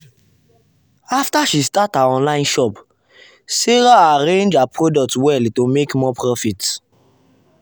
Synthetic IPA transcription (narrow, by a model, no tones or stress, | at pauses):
aftaʃistataɔ̃nlãɪ̃nʃɔp | siɾaaɾẽnd͡ʒapɾɔdɔk̚twɛltomekmɔpʰɾɔfit